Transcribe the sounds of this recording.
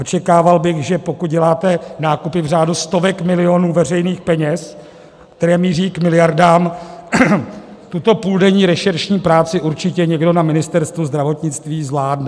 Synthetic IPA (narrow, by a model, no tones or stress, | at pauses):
ʔot͡ʃɛkaːvalbɪɣʒɛpo̞kut̪̚ɟɛlaːt̪ɛnaːkupɪvr̝aːdust̪o̞vɛkmɪlɪo̞nuːvɛr̝ɛjniːxpɛɲɛs | kt̪ɛɾɛːmiːriːkmɪlɪjaɾdaːm | t̪ut̪o̞puldɛɲiːɾɛʃɛɾʃɲiːpɾaːt͡sɪʔuɾt͡ʃɪcɛɲɛɡdo̞namɪnɪst̪ɛɾst̪vuzd̪ɾavo̞t̪ɲɪt͡st̪viːzvlaːdnɛ